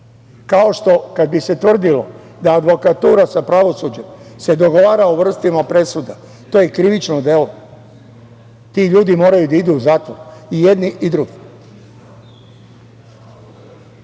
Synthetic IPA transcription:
kao̞ʃt̪o̞kad̪̚bise̞t̪ʋr̩d̪ilo̞̰ | d̪aːd̪ʋo̞kat̪uːɾasapɾaʋo̞sud͡ʑemse̞d̪o̞ɡo̞ʋaːɾaoʋr̩st̪imapɾe̞sud̪a | t̪o̞ːjekɾiʋit͡ʃnod̪e̞lo̞ | t̪iʎuːd̪imo̞ːɾajud̪aid̪uːzaːt̪ʋoɾije̞d̪niʔid̪ɾuɡi

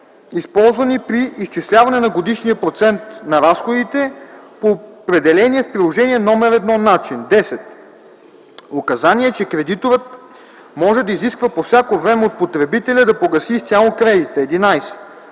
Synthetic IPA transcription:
ispɔlˠzvɐnipɾiːst͡ʃislʲavɐnɛnɐɡod̪iʃniɐpɾot̪sɛnt̪nɐɾasxod̪it̪ɛpopɾɛd̪ɛlɛniɛfpɾilˠoʒɛniɛnɔmɛɾɛd̪nɔnːat͡ʃind̪ɛsɛt̪̚ | okɐzaniɛt͡ʃɛkɾɛd̪it̪oɾət̪ | mɔʒɛd̪ɐiziskvəpofsʲakovɾɛmɛot̪̚pot̪ɾɛbit̪ɛlʲəd̪ɐpoɡɐsist̪ʲalˠokɾɛd̪it̪əɛd̪inajsɛ̥

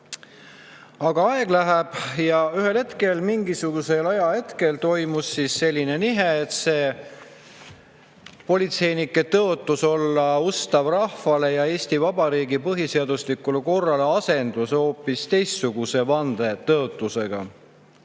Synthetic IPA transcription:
ɑɡ̥ɑɑe̞ɡ̥læɦæb̥jɑyɦe̞lhe̞t̪ke̞lmiŋɡisuɡ̥use̞lɑjɑhe̞t̪ke̞lt̪o̞jmusːisːe̞lʲːine̞niɦeːt̪se̞ː | po̞lʲit̪se̞jnikːˑe̞t̪ɤot̪ːˑuso̞lːɑust̪ɑvrɑhfɑle̞jɑe̞ːst̪ivɑb̥ɑɾiːɡipɤɦiseɑd̪uslikːˑuleko̞rːɑleɑse̞nd̪̥uso̞ːpːist̪e̞jst̪suɡ̥use̞vɑnd̪e̞t̪ɤot̪ːˑuse̞ɡ̥ɑ̰

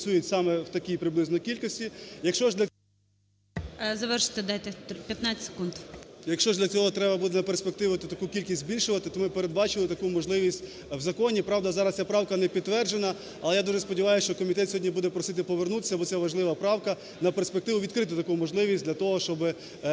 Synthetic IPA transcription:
sʲujʊtʲsɑmɛwt̪ɐkʲijpɾɪblˠɪznɔkʲilʲkɔsʲtʲijɐkʃt͡ʃɔʒdlʲɐ | zɐʋɛrʃɪ̥t̪ɛd̪ajt̪ɛpʲjɐt̪nat͡sʲɪ̥se̥kund̪jɐkʃt͡ʃɔʒd̪ʲlʲɐt͡sʲɔɦɔt̪ɾɛbɐbud̪ɛnɐperspek̚t̪ɪʋʊt̪ɔt̪ɐkukʲilʲkʲisʲzʲbʲilʲʃʊʋɐt̪ɪt̪ɔmɪpeɾed̪̚bɑt͡ʃɪlˠɪt̪ɐkumɔʒlˠɪʋʲisʲtʲ | wzɐkɔnʲipɾɑʋd̪ɐzɑɾɐst͡sʲapɾɑwkɐnɛpʲid̪ːʋɛrd͡ʒenɐ | ɐlˠɛjad̪uʒɛspɔdʲiʋɑjʊsʃt͡ʃɔkɔmʲit̪ɛt̪sʲɔɦɔdʲnʲibud̪ɛpɾɔsɪt̪ɪpɔʋernut̪e̥sʲɐbɔt̪sɛʋɐʒlˠɪʋɐpɾɑwkɐ | nɐperspekt̪ɪʋʊʋʲid̪kɾɪt̪ɪt̪ɐkumɔʒlˠɪʋʲisʲd̪ʲlʲɐt̪ɔɦɔʃt͡ʃɔbɪ

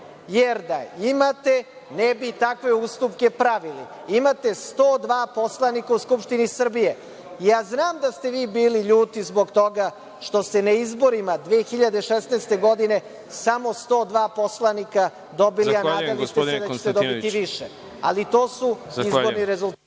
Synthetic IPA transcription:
jeɾd̪aimat̪e̞ | nebit̪akʋe̞ust̪upke̞pɾaʋili | imat̪e̞st̪o̞ːd̪ʋaːpo̞slˠanikauskupʃt̪inisr̩bije̞ | jaːznaːmd̪ast̪e̞ʋiːbiːliʎuːt̪izbo̞ɡt̪o̞ɡa | ʃt̪o̞st̪e̞naizbo̞ɾimad̪ʋeːxiʎad̪eʃesnaːst̪e̞ɡo̞d̪ine̞ | samo̞st̪o̞ːd̪ʋaːpo̞slˠanika | d̪o̞bilianaːd̪alit̪esed̪at͡ɕe̥t̪ed̪obit̪iʋiʃḛ | a̰lit̪o̞ːsuizboɾniɾezulˠ

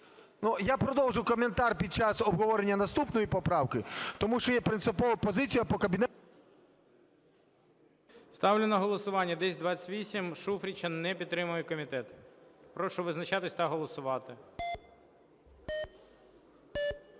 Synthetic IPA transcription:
nujapɾɔd̪ɔwʒʊkɔmʲent̪arpʲid̪̚t͡ʃasɔbɦɔʋɔɾenʲːɐnɐst̪upnɔjipɔpɾɑwkɪt̪ɔmuʃt͡ʃɔjɛpɾɪnt̪sɪpɔʋɐpɔzɪt͡sʲijɐpɔkɐbʲinɛ | st̪ɑwlʲɪnɐɦɔlˠɔsʊʋɑnʲːɐd̪ɛsʲd̪ʋat͡sʲtʲʋʲisʲimʃufɾʲit͡ʃɐnnɛpʲit̪t̪ːɾɪmʊjʊkɔmʲit̪ɛt̪pɾɔʃɔʋɪznɐt͡ʃat̪ɪsʲt̪ɐɦɔlˠɔsʊʋɑt̪ɪ

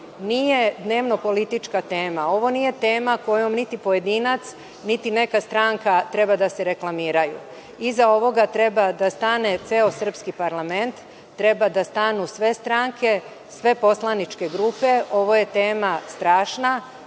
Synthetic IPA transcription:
nije̞d̪ne̞ːʋno̞po̞lit̪it͡ʃkat̪e̞ːmao̞ʋo̞nije̞t̪e̞ːmako̞jomnit̪ipoje̞d̪iːnat̪s | nit̪ine̞kast̪ɾaŋkat̪ɾe̞bad̪aseɾe̞klˠamiːɾajṵ | izao̞ʋo̞ɡat̪ɾe̞bad̪ast̪ane̞t̪seo̞sr̩pskipaɾlame̞nt̪ː | ɾe̞bad̪ast̪anusʋe̞st̪ɾaŋkʰe̞ | sʋe̞po̞slˠanit͡ʃke̞ɡɾupe̞o̞ʋo̞je̞t̪e̞ːmast̪ɾaːʃna

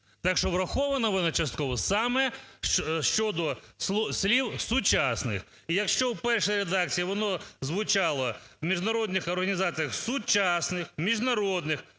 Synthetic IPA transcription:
t̪ɑkʃɔʋɾɐxɔʋɐnɐʋɔnɐt͡ʃɐst̪̚kɔʋɔsɑmɛʃʃt͡ʃɔd̪ɔslˠsʲlʲiwsʊt͡ʃɑsnɪ̰x | ijɐkʃt͡ʃɔwpɛrʃɐjɾed̪ɑk̚t͡sʲijiʋɔnɔzʋʊt͡ʃɑlˠɐwmʲiʒnɐɾɔd̪ʲnɪxɔrɦɐnʲizɑt͡sʲijɐxsʊt͡ʃɑsnɪxmʲiʒnɐɾɔd̪nɪx

